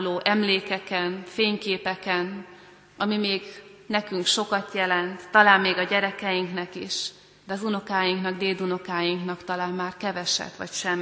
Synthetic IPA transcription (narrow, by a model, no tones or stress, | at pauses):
loːʔɛmleːkɛkɛnfeːɲkeːpɛkɛn | ʔɒmimeːɡnɛkyŋkʃo̞kɒt̪jɛlɛnt̪ːɒlaːmmeːɡɒɟɛɾɛkɛjiŋknɛkiʃ | d̪ɛɒzuno̞kaːjiŋknɒɡd̪eːld̪uno̞kaːjiŋknɒkt̪ɒlaːmmaːrkɛvɛʃɛ̰t̪ːʋɒ̰cʃɛmː